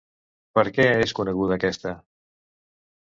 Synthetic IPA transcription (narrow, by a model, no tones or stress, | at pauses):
pəɾkɛeskunəɣ̞uðəːkɛst̪ə